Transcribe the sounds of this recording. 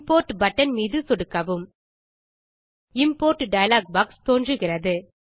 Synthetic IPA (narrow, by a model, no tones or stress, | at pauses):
poːɾʈbɐʈːɐnmiːðɯsɔɽɯkːɐʋɯm | ɪmpoːɾʈɖɐjɐlaːɡ̚bɐːkst̪oːndrɯɣɪrɐðɯ